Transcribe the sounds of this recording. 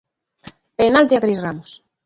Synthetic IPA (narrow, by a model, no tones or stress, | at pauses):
penalt̪eakɾisramos